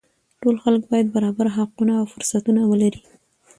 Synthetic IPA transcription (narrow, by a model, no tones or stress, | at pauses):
ʈolxaləkbɑjad̪̚baɾɑbaɾɦaqunaːwfʊɾsat̪unawəlaɾi